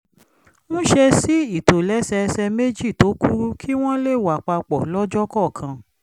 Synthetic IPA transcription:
mũ˦ʃe˧si˦i˦˨to˨lɛ˨˦sɛ˧sɛ˧me˦d͡ʒi˦˨to˨˦ku˦ɾu˦kʰi˦w̃ɔ̃˦le˦˨wa˨k͡pa˧k͡pɔ˨lɔ˦d͡ʒɔ˦kɔ˦˨kʰã˧

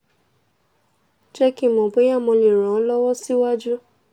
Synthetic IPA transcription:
t͡ʃɛ˦ki˦˨mɔ̃˨be˨˦jã˦˨mɔ̃˧lĩ˨ɾ̃ɔ̃˨˦lɔ˦wɔ˦si˦wa˦d͡ʒu˦

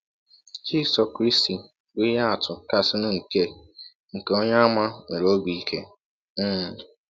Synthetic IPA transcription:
d͡ʒi˦sɔ˨kɾi˦sti˨ | wi˦ja˦a˨tʰʊ˨ka˨sɪ˦nʊ̃˦ŋ̩˨ke˦ | ŋ̩˨ke˨o˦ɲa˦ma˦me˨ɾo˦ɡ͡bi˦kʰe˦˨

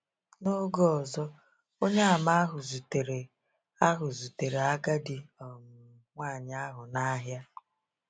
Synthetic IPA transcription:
no˦ɡɔ˨zɔ˦ | o˦ɲe˦a˨ma˦ɦʊ˨zu˨te˨ɾe˨ | a˦ɦʊ˨zu˨te˨ɾe˨a˦ɡa˦di˨ɔ˨m̩˨ | ŋʷa˦˨ɲ˦a˦ɦʊ˨na˦ɦja˦

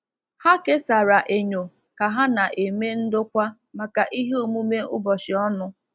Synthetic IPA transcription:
ha˦ke˦sa˨ɾa˨ʔe˨ɲo˨ | ka˨ɦa˦na˨ʔe˨me˦n̩˦dʊ˦kʷa˦ | ma˨ka˨ʔi˦ɦe˦o˨mu˦me˦ʊ̰˦bɔ˨ʃɪ˨ɔ˦nʊ˦

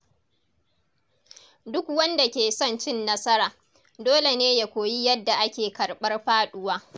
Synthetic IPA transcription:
dʊ˦kwɐ˦nda˨kʲeː˨sɔ˦nt͡ʃɪ˦nːɐ˦sɐ˦ɾaː˨ | doː˦le˨neː˦ja˨kʷoː˨ji˦jɐ˦dːa˨ʔa˦kʲeː˨kɐ˨ɽɓɐ˦rɸaː˦ɗʊ˦waː˦

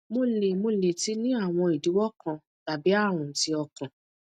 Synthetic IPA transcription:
mo˧le˨mo˧le˨ti˦nĩ˦a˦˨w̃ɔ̃˧i˨du˨˦wɔ˦kã˧ | ta˨bi˨˦a˦˨ɾ̃ũ˨˦ti˧ɔ˧kã˨

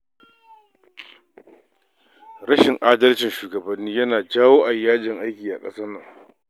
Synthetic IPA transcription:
ɾɐ˦ʃɪ˨ŋʔaː˦dɐ˦lt͡ʃɪ˨nʃuː˨ɡɐ˨bɐ˦nːiː˦jɐ˦naː˨d͡ʒaː˦woː˦ʔa˨ʔɪ˨˦jaː˦d͡ʒɪ˨ŋʔa˦jkʲiː˨ʔa̰˨kʼɐ˦sɐ˦nːɐ˨ŋ

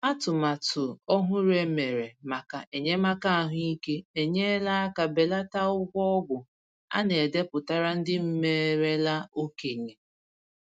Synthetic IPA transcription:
a˦tʊ˨ma˨tʊ˨ɔ˦ɦʊ˦ɾe˦me˨ɾe˨ma˨ka˨ʔe˨ɲe˦ma˦ka˦a˦ɦʊ˦i˦ke˦e˨ɲe˦la˦a˦ka˨be˨la˦ta˦ʊ˦ɡʷɔ˦ɔ˦ɡʊ˨ | a̰˦ne˨e˨de˦pʊ˨ta˦ɾa˦n̩˦dɪ˦m̩˦me˦ɾe˦la˦o˦ke˨ɲe˨

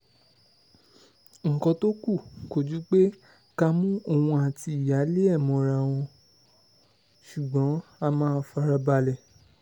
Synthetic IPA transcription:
ŋ̩˨kɔ̃˧to˦ku˦˨ko˨d͡ʒu˨˦k͡pe˦ | ka˧mũ˦o˦˨wũ˧a˨ti˧i˨ja˨˦le˦ɛ˦˨mɔ̃˨ɾa˨w̃ɔ̃˧ | ʃu˨ɡ͡bɔ̃˨˦a˧mãː˦˧fa˧ɾa˧ba˧lɛ˨

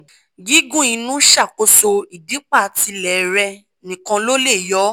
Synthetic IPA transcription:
ɡi˦ɡũ˦˨ĩ˨˧nũ˦ʃa˦˨ko˧so˧i˨di˨˦k͡pa˦˨ti˧lɛ˨ɾɛ˧ | nĩ˨kã˧lo˦le˦˨jɔ˨˦

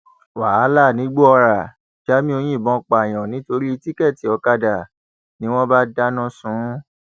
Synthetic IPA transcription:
wa˨a˨˦la˦˨nĩ˨˦ɡ͡bu˦ɔ˧ɾa˨ | d͡ʒa˦mĩ˦o˧j̃ĩ˦˨bɔ̃˨˧˦k͡pa˨j̃ɔ̃˨nĩ˨˦to˧ɾi˦i˧ti˦kɛ˦˨ti˨˦ɔ˧ka˧da˨ | nĩ˦w̃ɔ̃˦ba˦da˦nɔ̃˦sũ˨˦

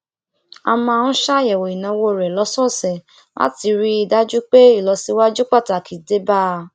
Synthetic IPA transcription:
a̰˧mãː˧ñ̩˦ʃa˦jɛ˨wo˨i˨nã˨˧wo˧˨ɾɛ˨lɔ˨˦sɔ˦˨sɛ˨ | la̰˦ti˧ɾi˦i˨da˦d͡ʒu˦k͡pe˦i˦˨lɔ˧si˧wa˦d͡ʒu˦k͡pa˦˨ta˨kʰi˨de˦ba˦˨

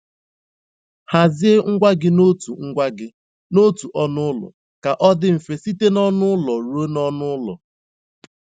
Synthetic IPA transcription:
ha˨zɪ˦e˦ŋ̩˦ɡʷa˦ɡɪ˦no˦tu˨ŋ̩˦ɡʷa˦ɡɪ˦ | no˦tu˨ʔɔ˦nʊ˦ʊ˦lɔ̰˨ | ka˨ʔɔ˦dɪ˦m̩˨fe˨si˦te˦nɔ˦nʊ˦ʊ˦lɔ˨ɾu˦o˦nɔ˦nʊ˦lɔ̰˨

